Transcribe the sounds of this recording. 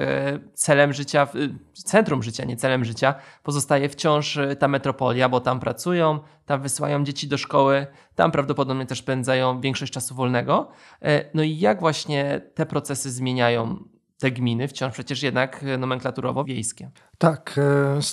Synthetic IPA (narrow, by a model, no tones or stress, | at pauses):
t̪sɛlɛmʐɘt͡ɕat̪sɛnt̪ɾumʐɘt͡ɕaɲɛt̪sɛlɛmʐɘt͡ɕapɔzɔst̪ajɛft͡ɕɔ̃w̃ʂt̪amɛt̪ɾɔpɔlʲjabɔt̪ampɾat̪sujɔ̃w̃ | t̪amvɘsɘwa̰jɔ̃w̃d͡ʑet͡ɕid̪ɔʂkɔwɘ | t̪a̰mpɾavd̪ɔpɔd̪ɔbɲɛt̪ɛʂspɛnd̪zajɔ̃w̃vʲjɛ̃ŋkʂɔɕt͡ɕ̚t͡ʂasuvɔlnɛɡɔ | nɔijaɡvwaɕɲɛt̪ɛpɾɔt̪sɛsɘzmʲjeɲajɔ̃w̃ | t̪ɛɡmʲinɘft͡ɕɔ̃ʂpʂɛt͡ɕɛʂjɛd̪naknɔmɛŋklat̪uɾɔ̰vɔvʲjejskʲɛ | t̪ak